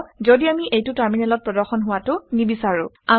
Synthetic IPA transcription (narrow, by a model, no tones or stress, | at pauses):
zodiamiʔejtʊtaɹminɛlɔt̚pɹɔdɔɹxɔnɦʊwatʊnibisaɹʊ̃ | a